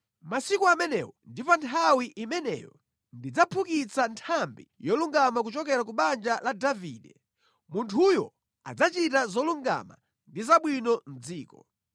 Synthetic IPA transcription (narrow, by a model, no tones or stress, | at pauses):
masikuamɛnɛ̰wɔndipantʰawiʔimɛnɛ̰jɔ | ndid͡zapʰukit͡santʰambḭjɔluŋɡamak̬ut͡ʃɔk̬ɛɾak̬uɓand͡ʒaladavḭːɗɛ | muntʰujɔ̰ | a̰d͡zat͡ʃitazɔluŋɡa̰ma̰ | ndizaɓwinɔm̩d͡ziːkɔ